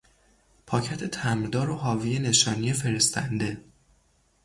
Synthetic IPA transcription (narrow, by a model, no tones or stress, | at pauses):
pʰɒːcʰæt̪ʰe̞t̪ʰæmɾd̪ɒːɾoɦɒːviːjene̞ʃɒːnijefe̞ɾe̞st̪ʰænd̪e̞